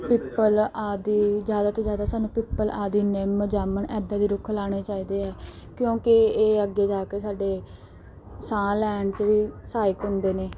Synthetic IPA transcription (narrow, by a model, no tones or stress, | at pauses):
piːpːəlaːd̪iːd͡ʒjaːd̪aːt̪õːd͡ʒjaːd̪aːsaːnũːpiːpːəlaːd̪iːneːməd͡ʒaːməɳɛːd̪aːd̪iːɾʊkʰlaːɽ̃eːt͡ʃaːiːd̪eːɛː | kjõːkɪeːəɡːeːd͡ʒaːkesaːɖeː | sãːlɛːɳɖt͡ʃʋiːsaːjɪkɦʊ̃nd̪eːneː